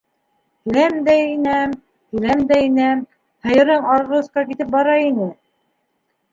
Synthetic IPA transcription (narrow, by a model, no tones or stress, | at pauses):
k̪ilæmd̪æinæm | k̪ilæmd̪æinæm | hɤ̆jɤ̆ɾɤɴɑɾʁɤ̆sqɑkit̪ɘp̚bɑɾɑinɘ